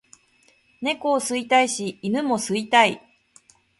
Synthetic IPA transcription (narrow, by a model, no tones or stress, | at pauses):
ne̞koːsɨit̪aiɕiːnɯmo̞sɨit̪ai